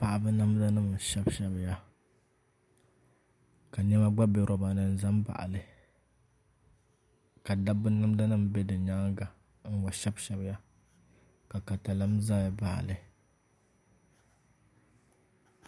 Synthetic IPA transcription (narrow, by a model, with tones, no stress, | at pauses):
pa˨ʔa˨bɨ˦na˦m˦da˦nɨ˦˨mʃɛ˦bʃɛ˦bja˦ | ka˨ɲɛ˦ma˦ɡ͡ba˦bɛ˦ɾɔ˨ba˨nɨ˦n̩˦˨za˦mba̰˨ʔa̰˨lɨ˨ | ka˨da˦bɨ˦na˦m˦da˦nɨ˦m˨bɛ˦dɨ˨ɲa˦ŋɡa˨ | n̩˦wa˨ʃɛ˦bʃɛ˦bja˦ | ka˨ka˨ta˨la˦m˦za˦˨ba˨ʔa̰˨lɨ˨